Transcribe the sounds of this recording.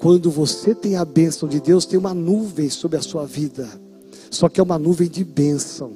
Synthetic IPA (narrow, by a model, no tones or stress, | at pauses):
kwɐ̃nd̪ʊvoset̪ẽj̃ɐbẽsɐ̃w̃d͡ʒɪd̪ewst̪ẽj̃ũmɐnuvẽj̃sobɾɪɐsuɐvid̪ɐ | sɔkɪɛũmɐnuvẽj̃d͡ʒɪbẽsɐ̃w̃